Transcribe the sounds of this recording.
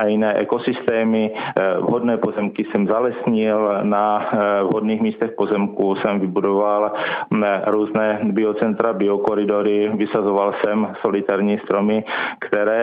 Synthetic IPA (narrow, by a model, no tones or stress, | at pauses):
ʔajɪnɛːʔɛko̞sɪst̪ɛːmɪvɦodnɛːpo̞zɛmkɪsɛmzalɛsɲɪlnavɦodniːxmiːst̪ɛxpo̞zɛmkusɛmvɪbudoval | ɾuːznɛːbɪot͡sɛnt̪ɾabɪokoɾɪdoɾɪvɪsazovalsɛmso̞lɪt̪aɾɲiːst̪ɾomɪkt̪ɛɾɛː